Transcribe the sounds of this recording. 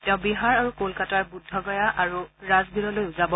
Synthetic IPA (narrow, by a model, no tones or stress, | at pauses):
tɛ̃ʊ̃biɦaɹaɹukolkataɹbudʱːɔɡɔjaʔaɹuɹazbiɹɔlojʊzabɔ